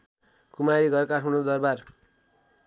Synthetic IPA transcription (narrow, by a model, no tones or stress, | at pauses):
kumaɾiɡʌrkaʈʰmunod̪ʌrbar